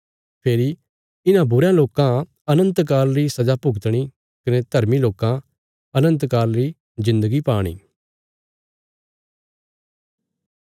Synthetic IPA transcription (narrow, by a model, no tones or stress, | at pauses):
pʰeːɾi | ɪnãbʊɾjãloːkã | ɐnə̃nt̪k̬aːɾɾisɐd͡ʒapʊɡt̪ɽ̃i | kɐned̪ʱɐɾmiloːkã | ɐnə̃nt̪kaːɾɾi | zɪ̃nd̪əɡipaːɽ̃ḭː